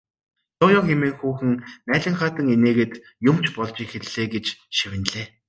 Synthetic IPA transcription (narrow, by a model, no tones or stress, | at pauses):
t̪ʰʊːjɔːxemeːŋxuːxɘ̆ŋnæːɮʲɪ̆ŋχaːt̪ə̆ŋeneːɣeːt̪ | jʊmt͡ɕpɔɮt͡ɕixeɮ̥eːɡet͡ɕʃiwɪ̆nɮeː